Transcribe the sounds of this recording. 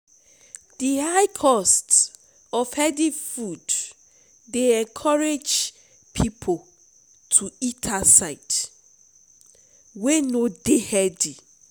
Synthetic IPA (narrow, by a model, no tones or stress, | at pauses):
d̥ihaɪkʰɔst | ɔfhɛdifudː | eɛ̃ŋkʰɔɹed͡ʒ | pʰipʰo | tʰuitʰasaɪt | wenodehɛdi